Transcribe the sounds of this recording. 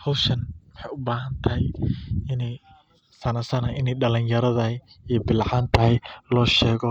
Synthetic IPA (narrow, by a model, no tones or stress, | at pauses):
hɔwʃɐnwɑħɑjʊbaːɦɐnt̪ʰɐɦɛjɪnɛj | sɐnɐsɐnɐʔɪnɛjɖɐlɪnjɐɾɐðɐ | iːbɪlʕaːnt̪ʰɐɦɛjlɔːʃɛːɣɔ